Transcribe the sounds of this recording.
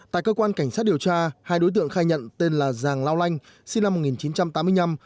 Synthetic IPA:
t̪a̰ː˧˨jkəː˧kwaː˧nka˧˩jŋ̟saː˦˥t̚ɗi˨˩əwt͡ɕaː˧haː˧jɗo˨˦jt̪ɨ̰˧˨əŋxaː˧jɲə̰˧˨nt̪e˧nlaː˨˩zaː˨˩ŋlaː˧wla˧jŋ̟ | si˧na˧mo˨˩t̚ŋi˨˩nt͡ɕi˨˦nt͡ɕa˧mt̪aː˨˦mɨ˧əjna˧m

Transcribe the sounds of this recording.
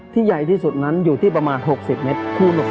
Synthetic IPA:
t̪ʰiː˥˩ja˨˩jt̪ʰiː˥˩su˨˩t̪̚na˦˥njuː˨˩t̪ʰiː˥˩p̬ɾa˧maː˧nɦo˨˩k̚si˨˩p̚me˦˥t̪̚kʰuː˧˩no˨˩

